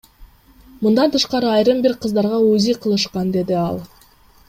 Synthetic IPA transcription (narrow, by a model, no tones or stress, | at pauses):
mund̪ɑnt̪ʰɯʃqɑɾɯɑjɾɯmbiɾqʰɯzd̪ɑɾʁɑuziqʰɯlˠɯʃqɑnd̪e̞d̪iɑ̰lˠ